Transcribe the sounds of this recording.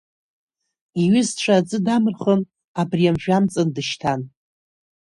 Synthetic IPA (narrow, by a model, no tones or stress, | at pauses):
iɥɪzʈ͡ʂʷʰad͡zʼɨdamɨrχən | abriamʒᶣamt͡sʼɨndɨʃtʰan